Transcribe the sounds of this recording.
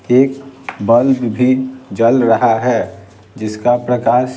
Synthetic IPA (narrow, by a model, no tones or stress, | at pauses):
eːkbəlbbʱid͡ʒəlɾəɦaɦɛ | d͡ʒɪskapɾəkaːɾʃ